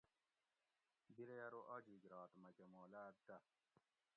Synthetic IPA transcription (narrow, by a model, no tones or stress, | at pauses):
biɾejɐɾoʔɔd͡ʒiɡɾɑːt̪mɐkemoːlaːd̪a